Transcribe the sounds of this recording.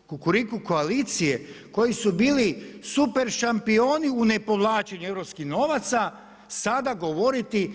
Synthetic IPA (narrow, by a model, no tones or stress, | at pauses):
kukuɾikuko̞aliːt̪sije̞ko̞jisubiːlisupe̞ɾʃampio̞ːniune̞po̞ʋlˠaːt͡ʃeɲue̞ʋɾo̞pskixno̞ːʋat̪sa | sad̪aɡoʋo̞ɾit̪i